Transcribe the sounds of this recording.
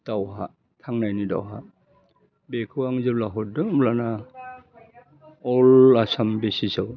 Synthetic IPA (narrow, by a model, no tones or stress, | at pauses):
d̥awɦa̰ | tʰaŋnajnida̰wɦa̰ | bekʰɯwaŋzɯlaɦɔt̚dɯmlana | ɔlasambesisaw